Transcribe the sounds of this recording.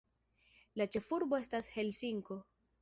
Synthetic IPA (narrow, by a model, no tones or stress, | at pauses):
lat͡ʃe̞fuɾbo̞e̞stashe̞lsiŋko̞